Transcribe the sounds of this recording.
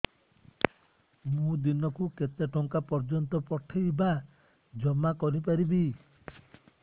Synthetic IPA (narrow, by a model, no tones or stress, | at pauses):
mũd̪inɔkuket̪eʈɔŋkapɔɾd͡ʒɔnt̪ɔpɔʈʰejba | d͡ʒɔmakɔɾipaɾibi